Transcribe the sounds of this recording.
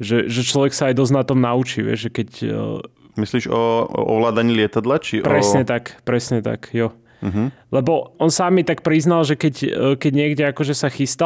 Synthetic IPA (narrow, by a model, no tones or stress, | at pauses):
ʒɛʒɛt͡ʃlɔʋɛksaajd̪ɔznat̪ɔmnaut͡ʃiʋɪɛ̰ʒʒɛkɛc | misliːʒɔɔ̰ʋlaːd̪aɲiːlɪɛt̪ad̪lat͡ʃiʔpɾɛsɲɛt̪akpɾɛsɲɛt̪a̰kjɔ | ɦ̩lɛbɔɔnsamːit̪ak̚pɾiznalʒɛkɛckɛɟɲɪɛɡɟɛakɔʒɛsaxist̪a